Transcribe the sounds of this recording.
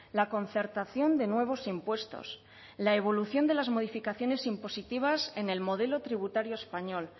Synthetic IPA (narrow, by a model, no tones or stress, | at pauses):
lako̞nθe̞ɾt̪aθjo̞nd̪e̞nwe̞β̞o̞simpwe̞st̪o̞̰s | lae̞β̞o̞luθjo̞nd̪e̞lazmo̞ð̞ifikaθjo̞ne̞simpo̞sit̪iβ̞ase̞ne̞lmo̞ð̞e̞lo̞t̪ɾiβ̞ut̪aɾjoespaɲo̞l